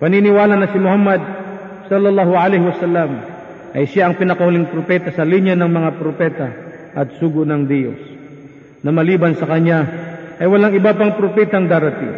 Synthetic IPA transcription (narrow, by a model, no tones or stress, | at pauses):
pɐninɪwaːlɐnɐsɪmʊhamːɐd̪̚ | sɐlːɐlːahʊʕalɛjhɪwɐsalːɐm | ʔɐjʃjaʔːŋpɪnɐkɐhʊlɪŋpɾopɛt̪ɐsɐliɲjanɐŋmɐŋapɾopɛːt̪ɐ | ʔɐt̪̚suːɡʊʔnɐŋd̪ijo̰s | nɐmɐliːbɐnsɐkɐɲaʔɐjwɐlaŋɪbapɐŋpɾopɛːt̪ɐŋd̪aːɾɐt̪ḭŋ